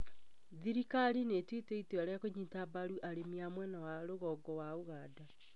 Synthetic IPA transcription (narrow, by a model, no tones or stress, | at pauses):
ðiɾikaɾinetwiteitweaɾeakoɲitabaɾuʔaɾemiamwɛnawaɾoɣɔɡɔwaoɣaːda